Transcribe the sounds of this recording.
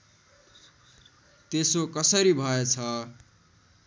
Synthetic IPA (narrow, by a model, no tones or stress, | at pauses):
t̪esokʌsʌɾibʱʌet͡sʰʌ